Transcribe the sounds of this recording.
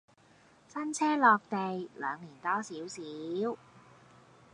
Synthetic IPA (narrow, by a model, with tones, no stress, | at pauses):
sɐ˥nt͡sʰɛː˥lɔː˨˧k̚t̪e˨jlœ̰ː˨˧ŋliː˨˩nt̪ɔː˥siː˨˥wsiː˨˦w